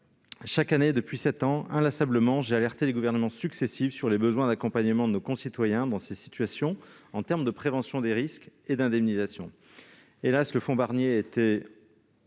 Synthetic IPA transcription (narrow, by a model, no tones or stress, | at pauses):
ʃakaned̪əpɥisɛt̪ɑ̃ɛ̃lasabləmɑ̃ʒealɛʁt̪eleɡuvɛʁnəmɑ̃syksesifsyʁlebəzwɛ̃d̪akɔ̃paɲəmɑ̃d̪ənokɔ̃sit̪wajɛ̃d̪ɑ̃sesi̥t̪ɥasjɔ̃ɑ̃t̪ɛʁmd̪əpχevɑ̃sjɔ̃d̪eʁisked̪ɛ̃d̪ɛmnizasjɔ̰̃ | elasləfɔ̃baʁnjeet̪e